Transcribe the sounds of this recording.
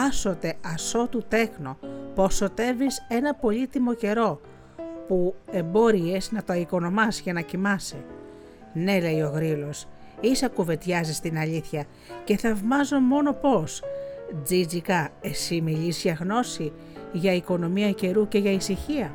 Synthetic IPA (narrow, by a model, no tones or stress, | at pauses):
ɐso̞t̪e̞ɐso̞t̪ut̪e̞xnopo̞so̞t̪e̞vise̞nɐpo̞ʎit̪imo̞ce̞ɾo̞ | pue̞mbo̞ɾie̞znɐt̪oɐiko̞no̞mɐsʝɐnɐcimɐse | ne̞le̞jo̞ɣɾilo̞s | isɐkuve̞t̪çɐzist̪inɐʎiθçɐ | ce̞θɐvmɐzomo̞no̞po̞sd͡zid͡zikɐe̞simiʎisʝɐɣno̞si | ʝɐiko̞no̞miɐce̞ɾuce̞ʝɐisiçiɐ